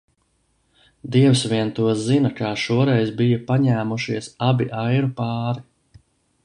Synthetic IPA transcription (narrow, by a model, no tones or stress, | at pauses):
d̪iɛwsʋiɛnt̪uɔzinakaːʃuɔɾɛjzbijapaɲæːmuʃiɛsabiʔajɾupɑːɾi